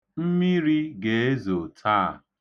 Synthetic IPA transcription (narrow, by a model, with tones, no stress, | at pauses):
m̩˦mi˦ɾi˦ɡe˨e˦zo˨tʰa̰˦˨